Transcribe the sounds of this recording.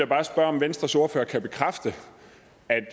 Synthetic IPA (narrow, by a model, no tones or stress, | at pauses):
jæb̥ɑ̈ːsb̥ɶɐɒ̽mʋensd̥ʁɐso̝ɐfø̰ːɐkʰæb̥e̝kʰʁafd̥ə | æd̥